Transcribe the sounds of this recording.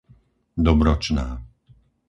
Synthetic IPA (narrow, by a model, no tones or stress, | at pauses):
d̪ɔbɾɔt͡ʃnaː